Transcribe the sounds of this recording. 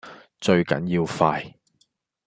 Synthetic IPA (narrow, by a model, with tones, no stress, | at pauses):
t͡ʃɵ˧ɥkɐ̰˨˥njiː˧wfaː˧j